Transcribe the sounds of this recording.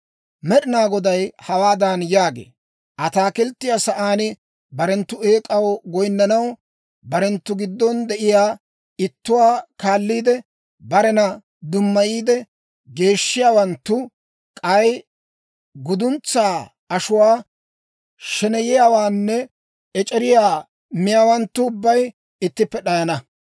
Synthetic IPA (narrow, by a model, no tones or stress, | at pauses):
mɛɗɪnaːɡɔd̪ɐjhɐwaːd̪anjaːɡḛː | ʔɐt̪aːkɛlt̪ːɪjasɐʔaːnɪ | bɐɾɛnt̪ːʊe̞ːkʼɐwɡɔjnːɐnɐw | bɐɾɛnt̪ːʊɡɪd̪ːɔnd̪ɛʔɪjaː | ɪt̪ːʊwaːkaːlːiːd̪ɛ | bɐɾɛnɐ | d̪ʊmːɐjiːd̪ɛ | ɡe̞ːʃːɪjaːwɐnt̪ːʊ | kʼɐj | ɡʊd̪ʊnt͡sːaː | ɐʃʊwaː | ʃɛnɛjɪjaːwaːnːɛ | ɛt͡ʃʼɛɾɪjaː | mɪjaːwɐnt̪ːʊːbːɐj | ɪt̪ːɪpːɛɗɐjɐnɐ